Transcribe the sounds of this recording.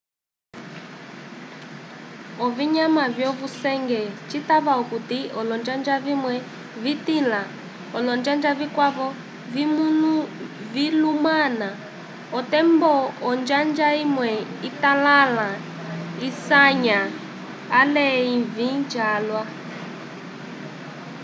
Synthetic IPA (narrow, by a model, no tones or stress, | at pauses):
ɔviɲamavjɔvusɛŋɡɛt͡ʃitaβaɔkutiɔlɔnd͡ʒand͡ʒavimwɛ | vitila | ɔlɔnd͡ʒand͡ʒavikwaβɔ | vimunuvilumana | ɔtɛmbɔɔnd͡ʒand͡ʒaimwɛitalala | isaɲa | alɛivind͡ʒalwa